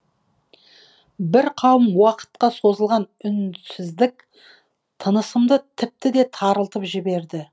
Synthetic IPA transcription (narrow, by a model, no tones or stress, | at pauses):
bɪɾqʰɑwəmwɑqə̥t̪̚qɑso̞zəlˠʁɑnʏnsɪzd̪ɪk̚ | t̪ʰənəsəmd̪ət̪ʰɪp̚t̪ɪd̪e̞t̪ʰɑɾəlˠt̪əpʒɪbe̞ɾd̪ɪ